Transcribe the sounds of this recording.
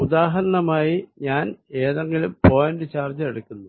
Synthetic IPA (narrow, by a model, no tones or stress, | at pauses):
ud̪aːɦɐɾɐɳɐmaːjiɲaːne̞ːðeŋɡilumpo̞ːjɐndɨt͡ɕaːrd͡ʑɐeɽukːunːu